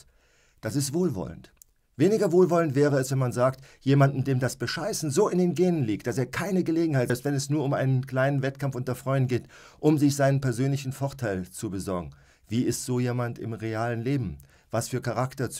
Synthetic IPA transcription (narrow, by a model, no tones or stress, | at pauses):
d̥asɪstv̥oːlvɔ̰lə̰nt | veːnɪɡɐvoːlvɔləntv̥ɛːʁəɛsv̥ɛnmanzaːktjeːmandn̩deːmdasb̥əʃaɪsn̩zoːɪndeːnɡeːnənliːk̚t̚d̥aseːɐkʰaɪnəɡəleːɡŋ̩haɪtɛlpstv̥ɛnɛsnuːɐʊmʔa̰ɪnənkl̥aɪnənvɛtkʰamfʔʊntɐfʁ̥ɔʏdn̩ɡeːt | ʔʊmzɪçz̥aɪnənpɛɐzøːnlɪçn̩fɔɐtʰaɪlt͡subəzɔɐɡŋ̩ | viːɪstz̥oːjeːmantɪ̰mʁeaːlənleːbm̩ | vasfyːɐkʰaʁ̞aktɐt͡s